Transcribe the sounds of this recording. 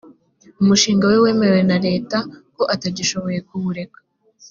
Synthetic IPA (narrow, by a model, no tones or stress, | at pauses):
umuʃiːŋɡawewe̞ːmeewe̞naɾe̞ːtako̞ʔataɟiʃo̞βo̞je̞k̚uβuɾe̞kḁ